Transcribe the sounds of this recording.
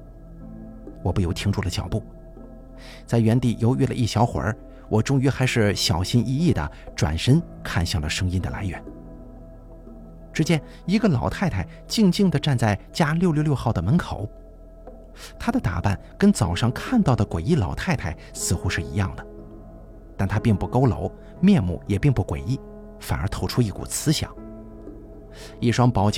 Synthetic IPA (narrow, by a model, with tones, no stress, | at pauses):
wɔ˨˩pu˥˩jo˧˥ʊt̪ʰi˧˥ŋʈ͡ʂu˥˩lə˩t͡ɕjɑ̰˨˩ʊpu˥˩ | t͡sa˥˩ɪɥɛ˧˥nt̪i˥˩jo˧˥ʊɛ˥˩lə̰˧ʔi˥˩ɕjɑ˧˥ʊxwə̰˞˧˥ | wʔɔ˨˩ʈ͡ʂʊ˥ŋy˧˥xa˧˥ɪʂɻ̩˥˩ɕjɑ˨˩ʊɕi˥nʔi˥˧i˥˩d̪ə̰˩ | ʈ͡ʂwa̰˨˩nʂə˥n | kʰa˥˧nɕjɑ˥˩ŋlə˩ʂɤ˥ŋi˥nd̪ə̰˨la̰˧˥ɪɥɛ̰˧˥˦n | ʈ͡ʂɻ̩˥t͡ɕjɛ˥n | i˧˥ɡə˧lɑ˨˩ʊt̪ʰa˥˧ɪt̪ʰa˥˩ɪ | t͡ɕi˥˧ŋt͡ɕi˥˩ŋd̪ə˩ʈ͡ʂa˥˧nt͡sa˥˩ɪt͡ɕja˥ljo˥˧ʊljljo˥˧ʊxɑ˥˩ʊd̪ə˩mə˧˥nkʰo˨˩˦ʊ | t̪ʰa˥d̪ə˨t̪a̰˨˩pa̰˥˩nkə˥nt͡sɑ˨˩ʊʂɑ˥˧ŋkʰa˥˧nt̪ɑ˥˩ʊd̪ə˩kwe˨˩ɪi˥˩lɑ˨˩ʊt̪ʰa˥˩ɪt̪ʰa˥˩ɪsɹ̩˥˧xu˥ʂɻ̩˥˩ḭ˧˥jɑ̰˥˩ŋd̪ə˩ | t̪a˥˩nt̪ʰa˥pi˥˧ŋpu˥˩ko˥ʊlo̰˧˥ʊ | mjɛ˥˧nmṵ˥˩jɛ˨˩pi˥˧ŋpu˥˩kwe˨˩ɪi˥˩ | fa˨˩nə˞˧˥t̪ʰo˧˥ʊʈ͡ʂʰu˥i˥˩kṵ˨˩t͡sʰɹ̩˥ɕjɑ̰˨˩˦ŋ | i˥˩ʂwɑ˥ŋpɑ˧˥ʊt͡ɕ